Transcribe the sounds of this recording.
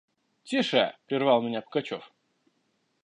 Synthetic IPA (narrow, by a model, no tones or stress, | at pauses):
tʲiʂəpɾʲɪrvɑlˠmʲɪnʲapə̥kɐt͡ɕo̰f